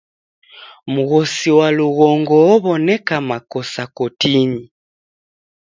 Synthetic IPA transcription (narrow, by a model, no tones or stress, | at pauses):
muɣɔsiwaluɣɔŋɡɔɔβɔnɛkamakɔsakɔtini